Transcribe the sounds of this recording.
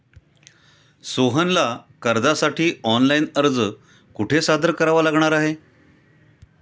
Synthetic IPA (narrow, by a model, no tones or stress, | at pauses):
soɦənlakəɾd̪asaʈʰiːɔnlainəɾd͡zə | kuʈʰesad̪əɾkəɾaʋalaɡɳ̃aɾaɦe